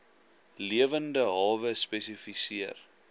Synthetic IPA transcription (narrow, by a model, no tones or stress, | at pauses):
liəvəndəɦɑːvəspɛsifisiər